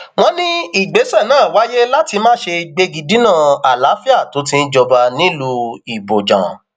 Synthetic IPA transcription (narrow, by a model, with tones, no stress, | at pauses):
w̃ɔ̃˦nĩ˦i˦˨ɡ͡be˨˦sɛ˦˨nãː˦˨wa˨˦je˦la˦ti˧mãː˦ʃe˧ɡ͡be˧ɡi˧di˨˦nã˦˨a˨la˨˦fi˦a˦˨to˨˦tĩ˧˦d͡ʒɔ˧ba˧nĩ˦lu˧i˨bo˨d͡ʒã̰˨